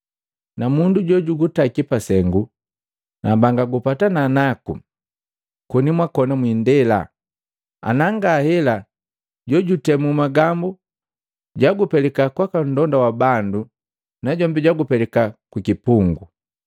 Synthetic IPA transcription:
namunduɟɔɟuɡutakipasɛŋɡu | nabaŋɡaɡupatananakṵ | kunimwakɔnamwindɛla̰ | a̰naŋɡaːhɛla | ɟɔɟutɛmumaɡambu | ɟaɡupɛlɛkakwakan̩dɔndawabandu | naɟɔmbɛɟwaɡupɛlɛkakwikipuŋɡu

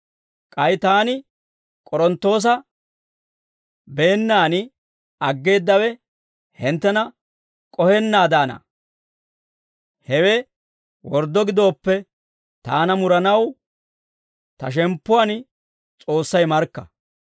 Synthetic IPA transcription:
kʼɐjt̪aːnɪ | kʼɔɾɔnt̪ːo̞ːs̬ɐ | be̞ːnːaːnɪ | ɐɡːe̞ːd̪ːɐwɛ | hɪnt̪ːɛnɐ | kʼɔhɛnːaːd̪aːnɐ̰ | hɛwɛ | wɔɾd̪ɔɡɪd̪o̞ːpːɛ | t̪aːnɐmʊɾɐnɐw | t̪ɐʃ̬ɛmpːʊan | t͡sʼo̞ːsːɐjmɐɾkːɐ

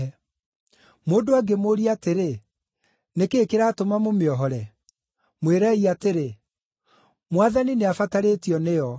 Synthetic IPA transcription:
ɛ | moːndoaɡemoɾiateɾe | nekeːkeɾatomamomeɔɦɔɾɛ | mweɾɛiateɾe | mwaðanineafataɾetiɔneɔ

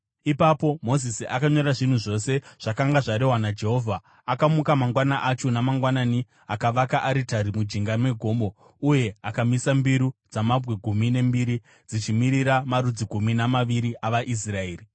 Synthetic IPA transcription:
ipapo̞mo̞zisiʔakaɲo̞ɾaʐin̤uʐo̞se̞ʐ̥akaŋɡaʐaɾeɦwanad͡ʒe̞ɦo̞vʱaː | kamukamaŋɡwanaʔat͡ʃonamaŋɡwanaːni | akaʋakaʔaɾitaɾimud͡ʒiŋɡanwe̞ɡʱo̞mbo̞ | uje̞akamisambiɾud͡zamabweɡʱumine̞mbiɾi | d͡zit͡ʃimiɾiɾamaɾud͡ziɡʱuminamaʋiɾiʔaʋaʔis̬raeːri

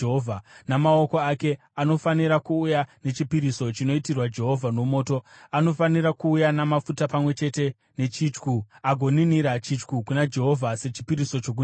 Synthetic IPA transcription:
ɦovʱanamaoko̞ake̞ | ano̞faniɾakuːjane̞t͡ʃipiɾiso̞t͡ʃino̞itirwad͡ʒe̞ɦo̞vʱano̞mo̞ːto̞ano̞faniɾakuːjanamafutapamwe̞t͡ʃe̞te̞ | ne̞t͡ʃit͡ʃkuaɡʱo̞niniɾat͡ʃit͡ʃkukunad͡ʒe̞ɦo̞vʱase̞t͡ʃi̥piɾiso̞t͡ʃo̞k̬u

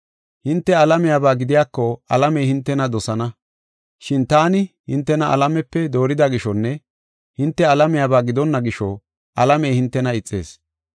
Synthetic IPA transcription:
hɪnt̪ːɛɐlɐmɪjaːbaːɡɪd̪ɪjaːkːɔɐlɐmɛjhɪnt̪ːɛnɐd̪ɔsɐnɐ | ʃɪnt̪aːnɪhɪnt̪ːɛnɐʔɐ̰lɐmɛpːɛd̪o̞ːɾɪd̪ɐɡɪʃɔnːɛ | hɪnt̪ːɛɐlɐmɪjaːbaːɡɪd̪ɔnːɐɡɪʃɔ | ʔɐlɐmejhɪnt̪ːɛnɐɪt͡sʼːe̞̰ːs

